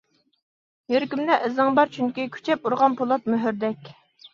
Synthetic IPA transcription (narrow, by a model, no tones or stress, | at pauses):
jøɾkʲymd̪ɛʔɪzɨŋbɑɾt͡ʃʰyŋkʲikʲʰy̥t͡ʃʰɛp̚uɾʁɑnpʰolˠɑt̪̚møɦyɾd̪ɛkʲ